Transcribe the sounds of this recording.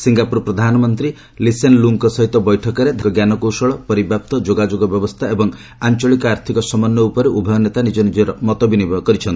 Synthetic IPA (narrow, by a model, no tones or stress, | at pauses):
siŋɡapuɾɔpɾɔd̪ʱanɔmɔnt̪ɾi | lisenluŋkɔsɔɦit̪ɔbɔjʈʰɔkɔɾed̪ʱkɔɡjanɔkowsɔɭɔpɔɾibʱap̚t̪ɔd͡ʒoɡad͡ʒoɡɔbjɔbɔst̪ʰaebɔŋ | ant͡ʃɔɭikɔaɾt̪ʰikɔsɔmɔnːɔupɔɾeʔubʱɔjɔnet̪anid͡ʒɔnid͡ʒɔɾɔmɔt̪ɔbinibkɔɾit͡ʃʰɔnt̪i